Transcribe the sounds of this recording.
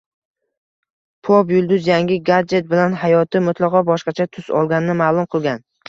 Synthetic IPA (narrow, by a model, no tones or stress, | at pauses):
pʰopjʊlˠd̪ʊzjaŋʲɪɡad͡ʒe̞t̪̚bɪlanɦajɒt̪ʰɪmʊt̪ʰlˠɑʁɒbɒʃqɑt͡ʃʰat̪ʰʊsɒ̰lˠɡʲanɪnɪmaːlˠʊmqʰɨlˠɡʲan